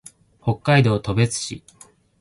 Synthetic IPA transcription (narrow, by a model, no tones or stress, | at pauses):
ho̞kːaid̪o̞ːt̪o̞be̞t͡sɨ̥ɕḭ